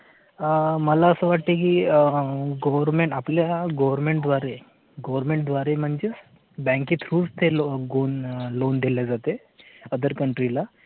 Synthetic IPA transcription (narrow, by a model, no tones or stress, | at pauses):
məlaəsəʋaʈ̚t̪ekiː | ɡəʋəɾmeɳʈapljaɡəʋəɾmeɳʈ̚d̪ʋaɾe | ɡəʋəɾmẽɳʈ̚d̪ʋaɾem̤əɳd͡ze | bɛ̃ŋkit̪ʰɾuːlst̪ʰelɡonlond̪ʱiljad͡zat̪e | əd̪ʱəɾkəɳʈɾila